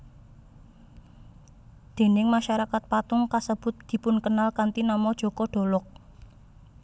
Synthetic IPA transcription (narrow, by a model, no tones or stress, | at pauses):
d̪̥e̤nɪŋmaʃaɾakat̪̚pat̪ʊŋkasəb̥ʊ̤t̪̚d̪̥i̤pʊnkənalkant̪inamɔd̥ʒ̥ɔ̤kɔɖ̥o̤lɔk̚